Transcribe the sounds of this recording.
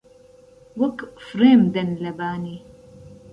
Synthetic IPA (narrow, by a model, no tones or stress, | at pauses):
wɐkfɾeːmd̪ɐnlɐbaːni